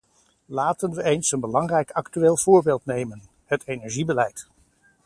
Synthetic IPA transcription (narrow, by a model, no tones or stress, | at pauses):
laːtənʋəʔejnsənbəlɑŋrɛjkɑktyʋeːlˠv̥ʊːɹbeːlˠtnejmən | hətʰejnɛɹʒibəlɛjt